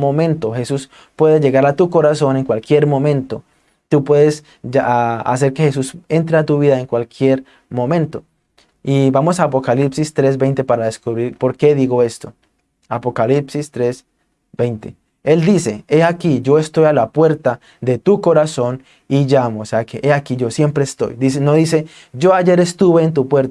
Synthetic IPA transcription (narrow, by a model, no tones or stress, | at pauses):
momẽ̞nt̪o̞xe̞sus | pwe̞ðeʝe̞ɣaɾat̪uko̞ɾaso̞ne̞ŋkwalkje̞ɾmõ̞mẽ̞nt̪o̞ | t̪upwe̞ðe̞s | a̰s̬e̞ɾke̞xe̞s̬use̞nt̪ɾeat̪uβiðaeŋkwalkʰje̞ɾ | mõ̞mẽ̞nt̪o̞ | iβamo̞saːpo̞kalipsist̪ɾe̞zbe̞jnt̪e̞paɾaðeskuβɾiɾpo̞ɾke̞ðiɣo̞e̞st̪o̞ | apo̞kalipsist̪ɾe̞s | be̞jnt̪e̞̰ | e̞ld̪ise̞e̞akid͡ʒo̞e̞st̪o̞jalapwe̞ɾt̪a | d̪e̞t̪uko̞ɾaso̞n | iʝamoseakeʔeakiʝo̞sje̞mpɾe̞ːst̪o̞̰jd̪isenoðise̞ | d͡ʒo̞aʝe̞ɾest̪uβe̞ːnt̪̬upwe̞ɾt̪